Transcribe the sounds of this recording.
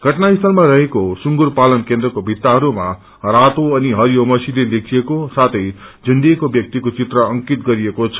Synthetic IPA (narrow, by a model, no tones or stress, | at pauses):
ɡʱʌʈnaist̪ʰʌlmaɾʌɦekosuŋɡurpalʌnkend̪rʌkobʱit̪ːaɦʌɾuma | rat̪oʌniɦʌɾijomʌsiled̪ekʰijekosat̪ʰʌjd͡zʱʌnd̪ekobjʌk̚t̪ikot͡sit̪rʌʌŋkit̪ɡʌɾiekot͡sʰʌ̥